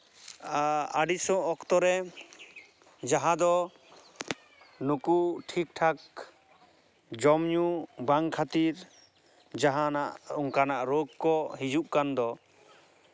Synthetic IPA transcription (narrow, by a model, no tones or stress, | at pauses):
aɖisɔ̃ɔkt̪ɔɾɛ | d͡ʒaɦãd̪ɔ | nukuʈʰik̚ʈʰak̚ | d͡ʒɔmɲubaŋkʰat̪iɾ | d͡ʒaɦanaʔuŋkanaʔɾoɡkɔɦid͡ʒuʔkand̪ɔ